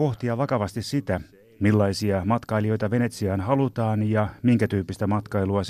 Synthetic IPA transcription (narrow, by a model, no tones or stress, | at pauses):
o̞ht̪iɑʋɑkɑʋɑst̪issit̪æ | milːɑisiɑmɑt̪kɑilio̞jt̪ɑʋe̞ne̞t̪siɑːnhɑlut̪ɑːnjɑmiŋkæt̪yːpːist̪æmɑt̪kɑiluɑs